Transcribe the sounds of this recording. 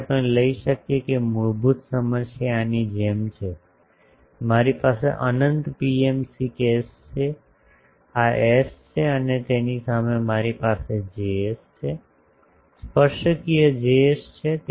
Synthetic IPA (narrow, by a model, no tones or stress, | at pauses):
pəɳləiʃəkjekemuɾbʱut̪səməʃjanid͡ʒemt͡ʃʰe | maɾipasḛʔə̰nənt̪piemsikest͡ʃʰe | aest͡ʃʰeənet̪enisamemaɾipased͡ʒest͡ʃʰe | spəʃkijəd͡ʒeʃt͡ʃʰet̪